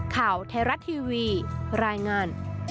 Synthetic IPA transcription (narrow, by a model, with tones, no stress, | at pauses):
kʰaː˨˩˦wt̪ʰeː˧ɾa˦˥t̪ʰːiː˧wiː˧ɾaː˧jŋaː˧n